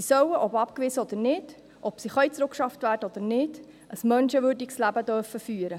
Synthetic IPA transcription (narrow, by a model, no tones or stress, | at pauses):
isœwəʔɔpɑp̚kʋɪsəɔd̪əɾnɪd̥ | ʔɔpsiχœʏt͡sɾʊkʃɑftʋæːɾdəɔd̪̥ənɪd̥ | əsmœnʃəʋøːdikslæbəd̪œɾfəfyːəɾə